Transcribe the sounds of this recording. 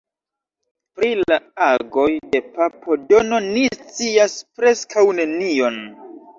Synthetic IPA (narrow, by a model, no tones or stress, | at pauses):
pɾilaaɡo̞jde̞papo̞do̞no̞nist͡siaspɾe̞skʰawne̞nio̞n